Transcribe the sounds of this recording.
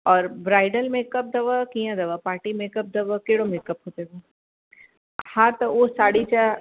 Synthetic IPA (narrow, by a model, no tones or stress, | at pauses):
ɔːɾbɾaːɪɖəlmeːkəp̚d̪ɐʋəkijãd̪ɐʋapaːʈimeːkəp̚d̪ɐʋəkeːɽomeːkəpɦoːt̪eɡ̪o | hãːt̪ɐʋoːsaːɽit͡ʃa